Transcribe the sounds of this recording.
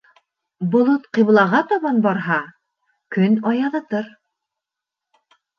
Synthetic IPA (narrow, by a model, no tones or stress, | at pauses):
bŏlˠot̪qĭβlˠɑʁɑt̪ɑβɑnbɑɾɦɑ | kɵnɑjɑðɤt̪ɤɾ